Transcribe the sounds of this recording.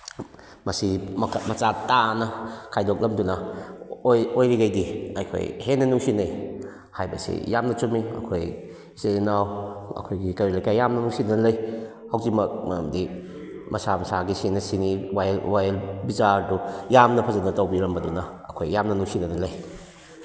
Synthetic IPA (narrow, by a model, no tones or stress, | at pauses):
mɐsimʰmɐt͡ʃatːanɐkʰajdɔk̚lɐmdunɐoojɾiɡajdiɐjkʰo̰jhenɐnuŋsinɐj | hajbɐ̰sḭjamnɐt͡ʃumiɐ̰kʰoj | senawɐ̰kʰojɡikɐɾilajkajːamnɐnusinanlɐj | hɐwtimɐk̚mɐ̰mdi | mʔɐsamɐsaɡisinɐsiniwajwajlbizaɾdujamnɐpʰɐzanɐtɔwbiɾɐmbɐdunɐɐkʰojːamnɐnusinɐnɐlɐj